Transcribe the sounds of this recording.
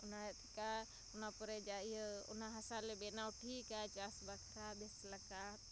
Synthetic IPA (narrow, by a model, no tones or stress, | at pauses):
ʊnat̪ka | ʊnapɔɾɛd͡ʒaijəʊ̰naɦɐsalebɛnaʊʈʰikat͡ʃasbakʰɾabesləka